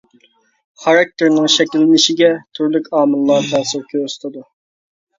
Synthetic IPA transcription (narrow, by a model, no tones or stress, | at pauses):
χɑɾɑk̚t̪ʰɪɾnɪŋʃɛkʲilːɪnɪʃɪɡʲɛt̪ʰyɾlykʲɑːmɨlˠːɑɾt̪ʰɑɾsɨkʲʰøsɨ̥t̪ʰɨd̪u